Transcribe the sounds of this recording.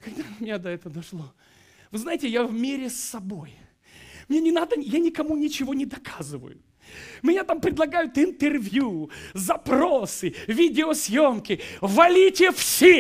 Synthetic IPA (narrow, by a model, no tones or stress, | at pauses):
kɐɡ̚d̪aʊmʲɪnʲad̪ɐɛt̪əd̪ɐʂlˠo | vɨznajɪtʲɪjavmʲeɾʲɪsːɐbo̞j | mnʲenʲɪnad̪əjanʲɪkɐmunʲɪt͡ɕɪvo̞nʲɪd̪ɐkʰazɨvə̰jʊ̰ | ʊmʲɪnʲat̪ampɾʲɪd̪lˠɐɡajʊt̪ɪnt̪ɨrvʲjuzɐpɾosɨvʲidʲɪosʲjo̞mkʲɪvɐlʲitʲɪfsʲe